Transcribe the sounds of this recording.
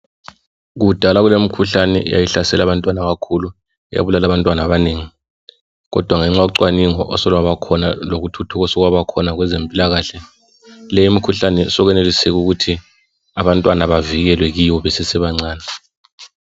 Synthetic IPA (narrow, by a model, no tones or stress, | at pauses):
ɣud̥ʱalaɣulemikʰuɬanɛ̰ja̰jiɬasɛlaβantʼwanaɣakʰulu | ɛja̰βulalaβantʼwanaβaneːŋi | ɣɔ̰d̥ʱwaŋɛŋ͡ǁaǀwaniŋɔ̰ʔɔsɔlwaβakʰɔnaloɣutʰutʰuɣɔsɔɣwaβakʰɔnaɣwɛzempʼilaɣaːɬɛ | lɛjimikʰuɬanɛsɔɣɛnelisɛɣuɣutʰi | aβantʼwanaβaviɣɛlwɛɣiwɔβɛsɛsɛβaŋ͡ǀaːna